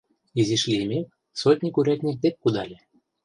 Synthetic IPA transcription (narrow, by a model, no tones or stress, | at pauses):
izʲiʃlʲimʲek | sot̪ʲnʲikuɾʲɑt̪ʲnʲet̪ep̚kud̪ɑlʲe